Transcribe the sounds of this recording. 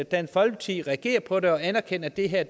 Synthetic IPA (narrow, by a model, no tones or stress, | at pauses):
d̥ænfɒ̽lt͡sʰið̰ˠʁɛæɡ̥e̝̰ːɐpʰɒ̽de̝ɒ̽ænæɐkʰen̰ɐd̥e̝ɦeɐ̰̥